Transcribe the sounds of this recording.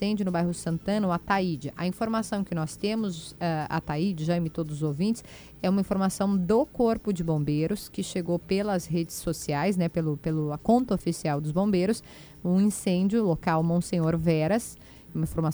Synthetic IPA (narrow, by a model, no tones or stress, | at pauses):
ẽd͡ʒʊnʊbajɦʊsɐ̃nt̪ɐ̃nɐʊat̪aid͡ʒɪʔɐ̰ĩfoɾmasɐ̃w̃kɪnɔst̪ẽmʊzaa̰t̪aid͡ʒɪʒãmɪt̪od̪ʊzʊzowvĩnt͡ʃɪs | ɛũmɐĩfoɾmasɐ̃w̃d̪ʊkoɾpʊd͡ʒɪbõbejɾʊskɪʃeɡowpelɐzɦed͡ʒɪsːosiajsnɛpelʊpelʊɐkõnt̪ɐofisiawd̪ʊzbõbejɾʊs | ũĩsẽd͡ʒʊlokawmõsẽɲoɾvɛɾɐs | ũmɐĩfoɾma